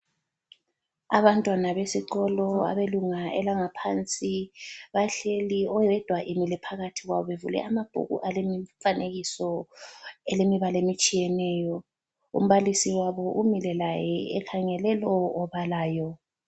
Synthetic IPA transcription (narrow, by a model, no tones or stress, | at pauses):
a̰βantʼwanaβesiǃɔlɔa̰βeluŋaʔɛlaŋapʰant͡sʼiβaɬeliɔɛd̥ʱwaʔimilɛpʰaɣatʰiɣwa̰βɔβevulɛ̰ʔamab̥ʱṵɣṵʔalemiɱfaneɣisɔ | ɛlemiβalemit͡ʃʼijɛnɛːjɔ | ṵm̩βalisiwaβɔʔumilɛlajɛɛkʰaŋɛlɛlɔːβalaːjɔ